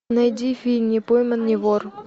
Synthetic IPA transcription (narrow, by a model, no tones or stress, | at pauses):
nɐjdʲifʲilʲnʲipojmənːʲivor